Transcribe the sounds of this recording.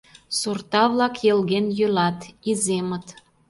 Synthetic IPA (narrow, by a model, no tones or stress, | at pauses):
surt̪ɑβlɑkjelɣenjølɑt̪izemə̆t̪